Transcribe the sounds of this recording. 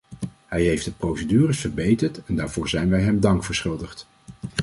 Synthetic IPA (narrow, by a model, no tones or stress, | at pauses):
ɦɛjɦejfdəprowsədyːrəsfəɹbejtəɹtɛndaːɹv̥ʊːɹzɛjnʋɛjɦɛmdɑŋkfəɹsχʏlˠdəχt